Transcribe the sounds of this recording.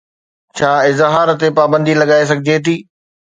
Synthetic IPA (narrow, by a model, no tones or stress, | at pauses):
t͡ɕʰaːɪzɦaːɾt̪epaːbə̃nd̪ilɐɠaːes̬ɐɡʱɪd͡ʑet̪̬ʰiː